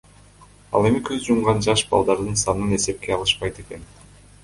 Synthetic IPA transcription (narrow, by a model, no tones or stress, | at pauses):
ɑ̰lˠe̞mikʰøzd͡ʒumʁɑnd͡ʒɑʃbɑ̰lˠd̪ɑɾd̪ɯnsɑnɯne̞se̞p̚ke̞ɑlˠɯʃpɑjt̪e̞ke̞n